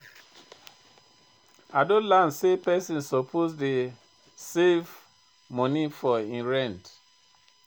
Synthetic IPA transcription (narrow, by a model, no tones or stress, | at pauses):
adõlansepɛsĩnsɔpʰosde | sev | mɔ̃nifɔĩnɹɛ̃nt